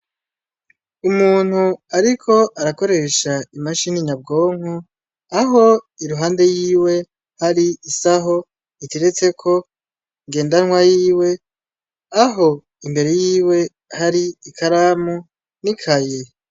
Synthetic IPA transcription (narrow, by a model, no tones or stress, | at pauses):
umuːn̥huaɾikʰo̞ʔaɾako̞ɾe̞ːʃaimaʃiniɲab̚ɡo̞ːŋu | aɦo̞iɾuɦaːnde̞jiːwe̞ | haɾiːsaɦo̞ | itiɾet͡se̞kʰo̞ | iŋɡe̞ːndanŋwajiːwe̞ | aɦo̞ | imbe̞ɾe̞jiːwe̞ | haɾiːkʰaɾamu | nikʰaje